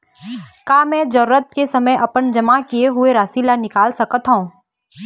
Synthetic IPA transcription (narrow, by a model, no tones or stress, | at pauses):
kaːmɛ̃ːd͡ʒɐɾuːɾət̪̚kesɐməjʔɐpənd͡ʒɐmakijeɦʊeɾaːsilanɪkaːlsɐkət̪ɦaũː